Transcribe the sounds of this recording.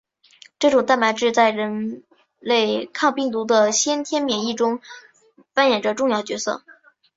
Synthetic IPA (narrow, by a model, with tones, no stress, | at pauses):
ʈ͡ʂɤ˥˩ʈ͡ʂʊ˨˩ŋt̪a˥˩nma˧˥ɪʈ͡ʂɻ̩˥˧t͡sa˥˩ɪɻə˧˥n | le˥˩ɪkʰɑ˥˧ŋpi˥˩ŋt̪̬u˧˥d̪ə˧ɕjɛ˥nt̪ʰjɛ˥nmjɛ˨˩ni˥˩ʈ͡ʂʊ˥ŋ | fa˥njɛ˨˩nʈ͡ʂə˧˦ʈ͡ʂʊ˥˧ŋjɑ˥˩ʊt͡ɕɥɛ˧˥sɤ̰˥˩